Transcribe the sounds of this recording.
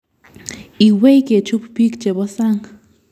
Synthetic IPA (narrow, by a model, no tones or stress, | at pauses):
iwejket͡ʃuppikt͡ʃebosaŋ